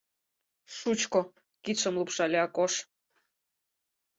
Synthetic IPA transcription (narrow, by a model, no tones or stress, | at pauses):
ʃut͡ɕko | kit̪ʃə̆mlupʃɑlʲeɑkoʃ